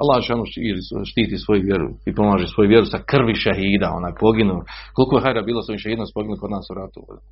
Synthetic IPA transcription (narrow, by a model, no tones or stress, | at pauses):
alːaːhoʃaːnuiliʃt̪iːt̪iːsʋo̞juʋjeɾṵipomaːʒesʋo̞juʋjeɾusakrʋiʃaɦiːd̪ao̰nakpo̞ɡinuko̞likojeɦajɾabiːlˠasoiʃaiːd̪nospoɡinulko̞d̪naːsuɾat̪uo̰d̪